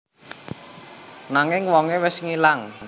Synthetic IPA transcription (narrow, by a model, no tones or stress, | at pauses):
naŋɪŋwɔŋewɪsŋilaŋ